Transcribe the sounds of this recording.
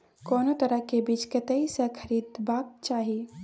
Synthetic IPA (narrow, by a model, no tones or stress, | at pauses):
koːnot̪əɾəɦkebiːt͡ʃkət̪əisə̃kʰəɾid̪bak̚t͡ʃaːɦi